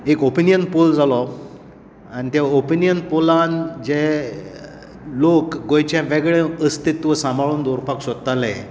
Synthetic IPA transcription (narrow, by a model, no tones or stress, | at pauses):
ekopinijənpold͡zalɔ | aɽ̃it̪aopinjənpoland͡ʑe | lokɡojt͡ɕjãʋeɡɭeəst̪it̪ʋəsãmbʱaɭuːnd̪oɾpaksod̪t̪alẽ